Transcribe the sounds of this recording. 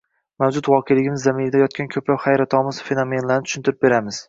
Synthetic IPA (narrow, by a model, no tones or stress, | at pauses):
mawd͡ʒʊt̪wɒqʰejlɪɡʲɪmɪzːamɪɾd̪ajɒt̪̚kʲankʰɵpɾawχajɾat̪ʰɒmɪzfe̞nome̞nlaɾnɪt̪ʊ̥ʃɪnt̪ʰɪɾɪp̚be̞ɾamɪz̥